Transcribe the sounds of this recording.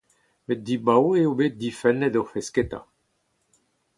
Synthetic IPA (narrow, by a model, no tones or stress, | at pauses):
met̪̚d̪ibaweobeːt̪̚d̪ifɛnːɛd̪ɔʁfɛsket̪a̰